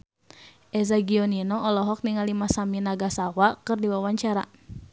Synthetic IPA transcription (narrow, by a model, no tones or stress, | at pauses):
ʔɛzaɡiɔninɔɔlɔɦɔk̚niŋalimasaminaɡasawakɨrdiwawaɲt͡ʃaɾa